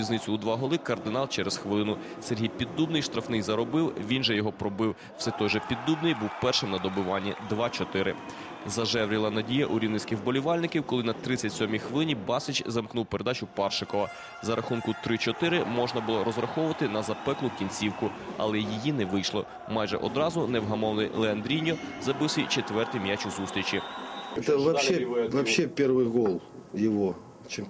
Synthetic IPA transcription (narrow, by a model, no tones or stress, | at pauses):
iznɪt͡sʲʊːd̪ʋɑɦɔlˠɪkɐrd̪ɪnɑlˠt͡ʃɛɾesxʋelˠɪnʊsɛɾʲɦijpʲid̪ːubnɪjʃt̪ɾɐfnɪjzɐɾɔbɪwʋʲinʒɛjɔɦɔpɾɔbɪw | wsɛt̪ɔjʒɛpʲid̪ːubnɪjbuwpɛrʃɪmnɐd̪ɔbʊʋɑnʲːid̪ʋɑt͡ʃɔt̪ɪɾɪ̰ | zɐʒɛʋɾʲilˠɐnɐdʲijɐʔʊɾʲiwnɪsʲkɪxbɔlʲiʋɑlʲnɪkʲiwkɔlˠɪnɐt̪ɾɪt͡sʲːɐtʲsʲɔmʲixʋelˠɪnʲibɑsɪt͡ʃzɐmknuwpeɾed̪ɑt͡ʃʊpɑrʃɪkɔʋɐ | zɐɾʔɐxunkʊt̪ɾɪt͡ʃɔt̪ɪɾɪmɔʒnɐbʊlˠɔɾɔzɾɐxɔʋʊʋɐt̪ɪnɐzɐpɛklˠʊkʲinʲt͡sʲiwkʊɐ̰lˠɛjijinɛʋɪjʃlˠɔ̰ | mɑjʒɛ̰ʔɔd̪ɾɑzʊnɛwɦɐmɔwnʲɪlˠeɐnd̪ɾʲinʲɔzɐbɪwsʲit͡ʃet̪ʋɛrt̪ɪjmʲjat͡ʃʲʊzust̪ɾʲit͡ʃiɛt̪ɐʋɐpʃɛʋɐpʃɛpʲɛrʋɪɣɔlˠjɪʋɔ | t͡ʃɪ